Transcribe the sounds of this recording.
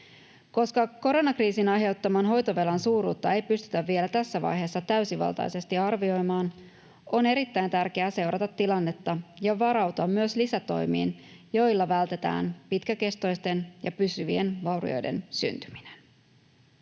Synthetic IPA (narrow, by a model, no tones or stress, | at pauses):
ko̞skɑko̞ɾo̞nɑkriːsinɑjɦe̞wt̪ːɑmɑnɦo̞jt̪oʋe̞lɑnsuːɾuːt̪ːɑe̞jpyst̪y̥t̪æʋːie̞læt̪æsːæʋɑ̰jɦe̞ːsːɑt̪æysiʋɑ̰lˠt̪ɑ̰jse̞st̪iɑrʋio̞jmɑːn | o̞ne̞ɾit̪ːæjnt̪ærke̞æse̞wɾʔɑt̪ɑt̪ːilɑnːe̞t̪ːɑjɑʋɑɾɑwt̪oɑmːyøslisæt̪o̞̰jmḭːn | jo̞jlːɑʋælt̪e̞t̪æ̰ːnpit̪kæke̞st̪o̞jst̪e̞njɑpysyʋie̞nʋɑwɾḭo̞̰jdḛnsy̰nt̪y̥mi̥ne̥n